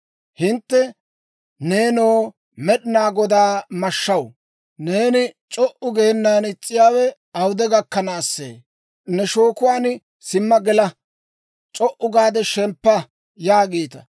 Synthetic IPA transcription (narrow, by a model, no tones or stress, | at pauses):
hɪnt̪ːɛ | ne̞ːnoː | mɛɗɪnaːɡɔd̪aːmɐʃːɐw | ne̞ːnɪt͡ʃʼɔʔʊɡehɛnːaːnɪt͡sʼːɪjaːwɛ | ɐwʊd̪ɛɡɐkːɐnaːsːḛː | nɛʃo̞ːkʊwaːn | sɪmːɐɡɛlɐ | t͡ʃʼɔʔʊɡaːd̪ɛʃɛmpːɐ | jaːɡiːt̪ɐ